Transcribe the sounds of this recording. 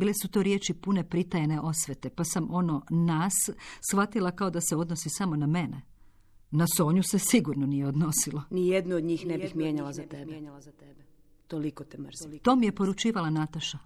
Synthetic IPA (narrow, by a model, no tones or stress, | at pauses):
biːlesut̪o̞ɾje̞t͡ʃipune̞pɾit̪ajene̞ʔo̞sʋet̪e̞pasamʔo̞no̞naːsːxʋat̪ilˠakao̞d̪aseo̞d̪no̞sisamo̞name̞ne | naso̞ːɲusesiɡuɾnonijeod̪no̞silonijed̪nuod̪ɲiːxnebixmjeɲalazat̪eb̪ | t̪olikot̪et̪o̞ːmije̞po̞ɾut͡ʃiːʋalanat̪aʃa